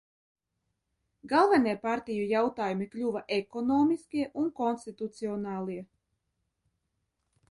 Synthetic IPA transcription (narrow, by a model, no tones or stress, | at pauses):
ɡalˠvɛniɛpaɾt̪ʲijujawt̪aːjumiklʲuvaʔekɔnɔːmiskʲiɛʔunkɔnst̪it̪ut̪siɔnaːlˠiɛ